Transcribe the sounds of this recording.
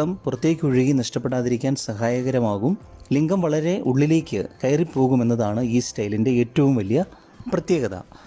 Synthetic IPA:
ɐmpurɐt̪ːje̞ːkʲːuɻiɣinɐʂʈɐpːe̞ɽaːðiɾikʲːaːnsɐɦaːjɐɣɐɾɐmaːɣumliŋɡɐmʋɐɭɐɾe̞ʔuɭːile̞ːkʲːɨkɐjripːo̞ːɣume̞nːɐðaːɳɨiːstɐjlinde̞eːtːɐʋumʋɐlijɐ | prɐt̪jeːɣɐðɐ̰

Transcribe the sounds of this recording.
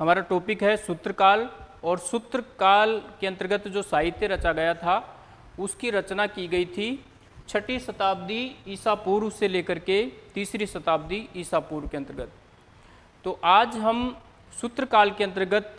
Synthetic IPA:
ɦɐmaːɾaʈoːpɪkɦɛsʊt̪ɾəkaːlɔːɾsʊt̪ɾəkaːlkeɐ̃nt̪əɾəɡət̪d͡ʒoːsaːɦɪt̪jeɾɐt͡ʃaɡɐjat̪ʰa | ʊskiɾɐt͡ʃnakiɡɐit̪ʰi | t͡ʃʰɐʈisɐt̪aːb̚d̪iiːsapuːɾwseleːkəɾket̪iːsɾisɐt̪aːb̚d̪iiːsaːpuːɾkeɐ̃nt̪əɾɡət̪ː | oːʔaːd͡ʒɦɐm | sʊt̪ɾəkaːlkeɐ̃nt̪əɾɡət̪

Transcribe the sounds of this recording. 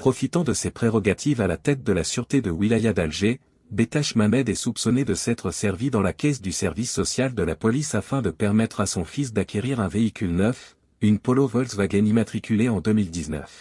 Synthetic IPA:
pχɔfit̪ɑ̃d̪əsepχeʁɔɡat̪ʰivalat̪ɛt̪̚d̪əlasyʁt̪ed̪əwilajad̪alʒe | bet̪aʃmamɛd̪ɛsupsɔned̪əsɛt̪χəsɛʁvid̪ɑ̃lakʲɛsd̪ysɛʁvisːɔsjald̪əlapɔlisafɛ̃d̪əpɛʁmɛt̪χasɔ̃fis̬d̪akʲeʁiʁɛ̃veikʲylnœf | ynpɔlovɔlsvaɡɛnimat̪χikʲyleɑ̃d̪əmild̪iznœ̰f

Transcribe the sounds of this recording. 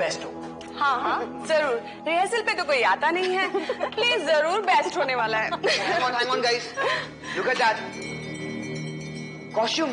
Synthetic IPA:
bɛːsʈɦoː | hãːɦãː | zɐɾuːɾ | ɾiɦəsɪlpet̪okoːiaːt̪anɐɦĩɦɛːpliːzzɐɾuːɾbɛːsʈɦoːneʋaːlaɦɛ̃ːŋɔːnɦɛ̃ŋɔːnɡaːis | jʊkəd͡ʒaːd͡ʒ | kɔːsuːm

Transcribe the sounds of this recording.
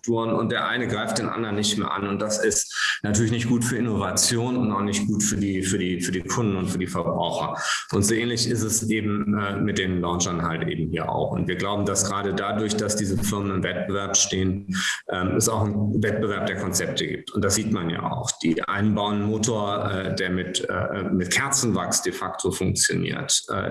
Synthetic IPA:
k̚tuːənʊ̰nt̚d̥eːɐʔa̰ɪnəɡʁaɪftd̥eːnʔa̰ndɐʁənːɪçtmḛːɐʔa̰nʊnt̚d̥asɪstnatʰyɐlɪçnɪçt̚ɡ̥uːtfyːɐɪnovat͡sjoːnʊntaʊxnɪçt̚ɡ̥uːtfyːɐdiːfyːɐdiːfyːɐdiːkʰʊndn̩ʊntfyːɐdiːfɛɐbʁa̰ʊxɐ̰ | ʔʊntz̥oʔeːnlɪçɪstɛsʔeːbm̩ɛːmɪt̚d̥eːnlaʊnd͡ʒɐnɦaltʔḛːbm̩hiːɐʔa̰ʊxʊ̰ntv̥iːɐɡlaʊbm̩dasɡ̥ʁaːdədadʊɐçd̥asd̥iːzəfɪɐmənɪmvɛt̚b̥əvɛɐpʃteːənʔɛːmɛsaʊxnvɛt̚b̥əvɛɐp̚d̥eːɐkʰɔnt͡sɛp̚tʰəɡḭːp̚tʰʊnt̚d̥asz̥iːtmanja̰ːa̰ʊxd̥iːʔa̰ɪnbaʊənmoːtʰoːɐʔɛːdeːɐmɪtɛ̰ːmɪtkʰɛɐt͡sn̩va̰ksd̥efaktʰofʊŋk̚t͡sjo̰nḭːɐtʔɛ̰ː

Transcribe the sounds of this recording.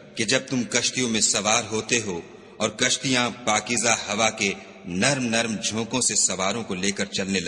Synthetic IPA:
ked͡ʒɐb̚t̪ʊmkɐʃt̪ijõmẽsɐʋaːɾɦoːt̪eɦoː | ɔːɾkɐʃt̪ijãpaːkizahɐʋake | nɐɾmnɐɾmd͡ʒʱõːkõsesɐʋaːɾõkoleːkɐɾt͡ʃɐlnelɐ

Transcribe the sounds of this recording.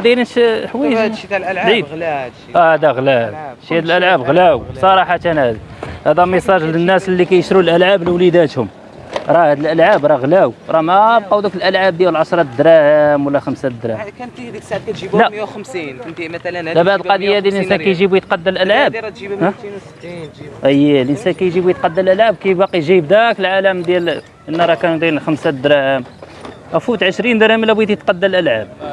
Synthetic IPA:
d̪iləʃħwæjdi | ʔæhæd̪æɣlæʃhæd̪əlʔəlʕabɣlæwbsˤɑɾˤɑħɑt̪ænæd̪hæd̪æmesˤɑʒlənːæslːikæjəʃɾulʔəlʕablwlid̪æt̪hʊm | ɾˤɑhæd̪əlʔəlʕabɾˤɑɣlæwɾˤɑmæbqɑwd̪ukəlʔəlʕab̚d̪jæwlʕɑʃɾˤɑt̪d̪ɾæhmwəlːæxəmsæd̪ɾæ | læmi | d̪æbaʕd̪əlqɑd̪əjːhæd̪ilʔənsænkæjʒibujət̪qɑd̪ːəlʔəlʕab | ʔəjːælʔənsænkæjʒibujət̪̚qɑd̪ːælʔælʕabkæjbɑqiʒibd̪ækəlʕaləmd̪jæl | ʔənːɑɾˤɑkænd̪ˤinlxəmsæd̪ɾæʔəm | ʔæfut̪ʕəʃɾind̪ɾæmlːæbiæt̪ijət̪qɑd̪ːəlʔælʕab̚

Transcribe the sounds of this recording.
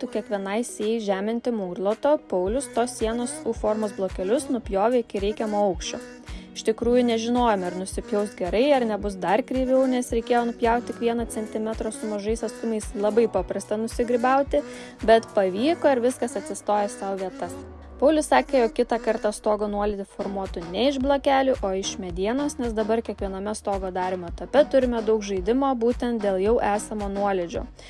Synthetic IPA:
t̪ukʲiɛkʋʲiɛnɐɪsʲɪɛjʒʲæːmʲɪnʲt̪ʲɪmuːrlˠoːt̪oːpɐʊlʲʊst̪oːsːʲiɛnoːsufoːɾmoːsblˠoːkʲɛlʲʊsnʊpʲjoːʋʲeɪkʲɪɾʲɛɪkʲɛmoːɐʊkʃʲt͡ʃʲoː | ɪʃt̪ʲɪkɾuːjʊnʲɛʒʲɪnoːjɛmɐɾnʊsʲɪpʲjɛʊst̪ɡʲɛɾɐɪɐɾnʲɛbʊsd̪ɐɾkɾʲiːʋʲɛʊnʲɛsɾʲɛɪkʲeːjoːnʊpʲjɛʊt̪̚ʲt̪ʲɪkʋʲiɛnosʲɛnʲt̪ʲɪmʲɛt̪ɾoːsʊmɐʒɐɪsɐst̪ʊmɐɪslˠɐbɐɪpɐpɾɐst̪ɐnʊsʲɪɡɾʲɪbɐˑʊt̪ʲɪ | bʲɛt̪pɐʋʲiːkoːɪɾʋʲɪskɐsɐt̪ʲsʲɪst̪oːjɛsɐʊʋʲiɛt̪ɐs | pɐʊlʲʊssɑːkʲeːjoːkkʲɪt̪ɑkɐɾt̪ɑst̪oːɡonuɔlʲɛd̪ʲɪfoːɾmuɔt̪ʊnʲɛɪʒblˠoːkʲæːlʲʊʔoːɪʃmʲɛd̪ʲiɛnoːsnʲɛsd̪ɐbɐɾkʲiɛkʋʲiɛnoːmʲɛst̪oːɡoːd̪ɑːɾʲɪmoːt̪ɐpʲɛt̪ʊɾʲɪmʲɛd̪ɐʊkʒɐɪd̪ʲɪmoːbuːt̪ʲɛnt̪̚d̪ʲeːlˠjɛʊʔæːsɐmoːnuɔlʲɛd͡ʒʲo̰ː

